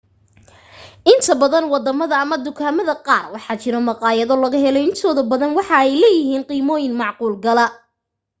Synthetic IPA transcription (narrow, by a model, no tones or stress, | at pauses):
ʔɪnt̪ʰɐbɐðɐnwɑd̪ɐmɐðɐɐmɐd̪ʊkʰaːmɐðɐqɑːrwɑħɑːt͡ʃɪɾɔmɑqɑːjɐðɔlɐɣɐɦɛlɛjɪnt̪ʰɔːðɐbɐðɐnwɑħɑɛjlɛːjɪɦiːnqiːmɔːjɪnmɑʕquːlɡɐlɐ